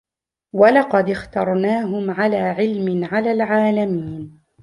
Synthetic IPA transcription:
walɑqɑd̪ɪxt̪ɑɾˤnaːɦʊmʕalaːʕɪlmɪnʕalaːlʕaːlamiːn

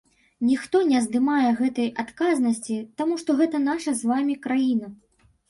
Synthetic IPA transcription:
nʲixt̪ɔnʲɛzd̪ɨmajɛɣɛt̪ɐjat̪kaznɐsʲt͡sʲit̪amuʂt̪ɔɣɛt̪ɐn̪aʂɐzvamʲikɾajinɐ

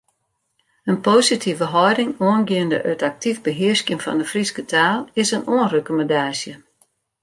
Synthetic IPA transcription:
ənpoːsitʰivəɦɔjdɪŋoənɡiəndə̰ʔø̰tak̚tʰivbəɦɪskjənfɔ̰ndəfriskətʰaːlˠɪsənʔoənrøkoməndaːsjə

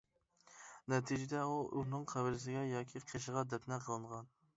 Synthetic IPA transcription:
nɛt̪ʰid͡ʒɪd̪ɛuʔunɨŋqʰæbɪɾɪs̬ɪɡʲɛjɑːkʲʰiqʰeʃəʁɑd̪ɛt̪nɛqʰəlˠɨɴʁɑn

